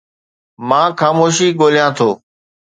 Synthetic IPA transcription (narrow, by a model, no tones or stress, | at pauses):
mãːxaːmoːʃiːɠoːlijãːt̪ʰoː